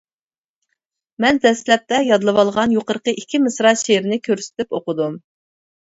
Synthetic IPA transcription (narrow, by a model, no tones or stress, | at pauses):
mɛnd̪ɛslɛp̚t̪ɛjɑd̪lˠɨwɑlˠʁɑnjoqəɾqəʔikʲʰːimɨsɾɑʃeɾɪnɪkʲʰøɾsɪ̥t̪ypoqʊd̪um